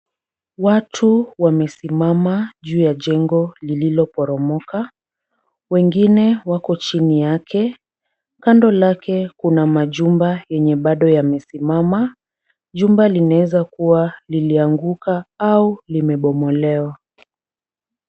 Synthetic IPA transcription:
watʰuwamɛsimamaʄuːjaʄɛŋɡɔlililɔpɔɾɔmɔka | wɛŋɡinɛwakɔt͡ʃinijakʰɛ | kandɔlakʰɛkunamaʄumbajɛɲɛɓaɗɔjamɛsimama | ʄumbalinaɛzakuwaliliaŋɡukaaulimɛɓɔmɔlɛwa

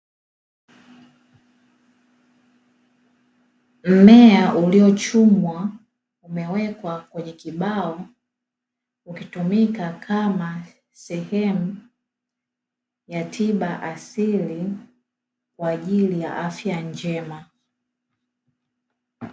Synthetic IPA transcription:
m̩mɛaʔuliɔt͡ʃumwa | umɛwɛkwakwɛɲɛkiɓaɔ | ukitumikakʰama | sɛhɛmu | jatʰiɓaʔasili | kwaːʄilija̰ʔafjaɲd͡ʒɛma

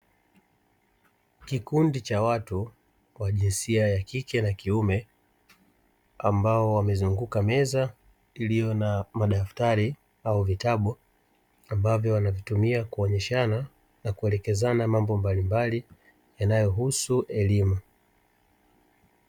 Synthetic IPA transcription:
kikundit͡ʃawatu | waʄinsiajakikɛnakiumɛ | ambaɔwamɛzuŋɡukamɛza | ilijɔnamaɗaftaɾi | auvitaɓu | ambavjɔwanavitumiakuɔɲɛʃana | nakuɛlɛkɛzanamambɔmbalimbali | janajɔɦusuʔɛlimu

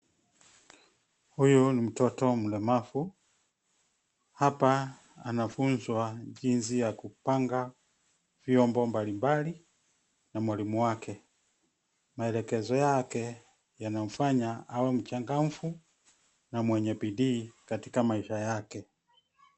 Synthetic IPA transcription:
hujunim̩tɔtɔm̩lɛmafu | hapaː | nafunzwaʄinsijakupaŋɡa | vjɔmbɔmbalimbali | namwalimuwakʰɛ | maɛlɛkɛzɔjakɛ | janam̩faɲaawɛm̩t͡ʃaŋɡam̩fu | namwɛɲɛpidiːkatikamaiʃajakɛ

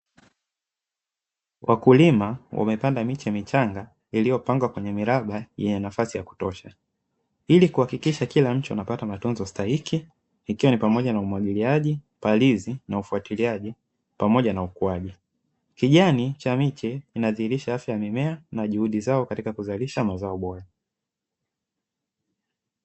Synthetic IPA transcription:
wʔakulimawʔa̰mɛpandamit͡ʃɛmit͡ʃaŋɡa | ilijɔpaŋɡwakwɛɲɛmiɾaɓajɛɲɛnafasijaku̥tɔʃa | ilikuhakikiʃakilam̩t͡ʃiwa̰napatamatunzɔstahikʰiː | kiwanipamɔʄanaumwaɠiliaʄi | palizinaufuatiliaʄi | pamɔʄanaukuaʄi | kiʄanit͡ʃamit͡ʃɛinaðihiɾiʃaafjajamimɛanaʄuhuɗizaɔkatikakuzaliʃamazaɔɓɔɾa

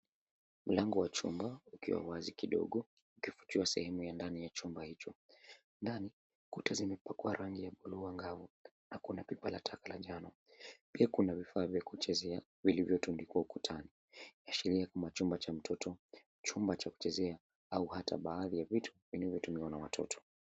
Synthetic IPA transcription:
m̩laŋɡɔwat͡ʃumbaukḭwa̰wazikiɗɔ̰ɠɔ | ukifu̥t͡ʃiasɛ̰hɛmujandanijat͡ʃumbahit͡ʃɔ | ndani | kutazimɛpakuaɾʔaŋɡijaɓuluaŋɡavu | nakunapipalatʰakalaʄanɔ | piakunavifaːvjakut͡ʃɛzɛa | vilivjɔtunlikuwaukutʰani | aʃɛɾiakamat͡ʃumbat͡ʃam̩tʰɔtʰɔ | t͡ʃumbat͡ʃaku̥t͡ʃɛzɛa | auhata̰ɓaːðijavitʰu̥vinavjɔtumiwanawatʰɔ̰tʰɔ̥

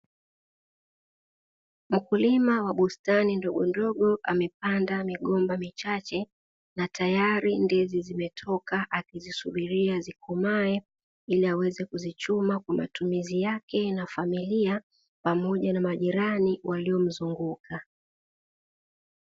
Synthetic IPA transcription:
m̩kulimawaɓustanindɔɠɔndɔɠɔʔamɛp̚andamiɠɔmbamit͡ʃat͡ʃɛ | natajaɾindɛzizimɛtʰɔkaʔakizisuɓiɾiazikumaɛ | iliawɛzɛkuzit͡ʃumakwama̰tumizijakɛnafamilia | pamɔʄanamaʄiɾaniwʔaliɔm̩zuŋɡuka

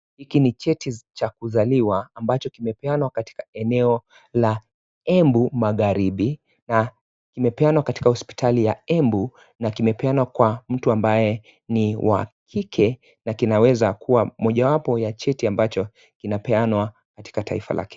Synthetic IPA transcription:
hikinit͡ʃɛtit͡ʃakuzaliwaːmbat͡ʃɔkimɛpɛanwakati̥kaɛnɛɔ | la | ɛmbumaɣaɾiɓi | na | kimɛpɛanwakati̥kahɔspi̥tʰalijaɛmbu | nakimɛpɛanwakwam̩tuambajɛ | niwʔa̰kʰikʰɛ | nakinawɛzakʰuwamɔʄawapɔjat͡ʃɛtiambat͡ʃɔ | kinapɛanwa | kati̥katʰaifa̰lʔa̰kɛ̥

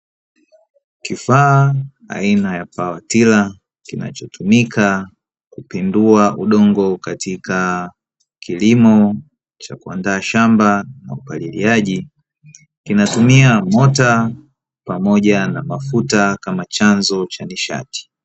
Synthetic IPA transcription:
kifaː | a̰inajapawatila | kina̰t͡ʃɔtumikʰa | kupinduaʔuɗɔŋɡɔkatika | kʰilimɔ | t͡ʃa̰kua̰ndaːʃambana̰upalilḭaʄi | kinatumiamɔta | pamɔʄanamafutakamat͡ʃanzɔt͡ʃaniʃa̰ti̥

